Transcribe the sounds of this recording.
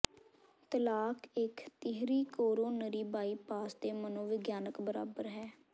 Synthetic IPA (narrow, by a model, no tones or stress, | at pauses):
t̪əlaːkɪkt̪ɪɦɾiːkoːɾoːnəɾiːbaːiːpaːsd̪eːmənõːʋɪɡjaːnəkbəɾa̰ːbəɾɦɛː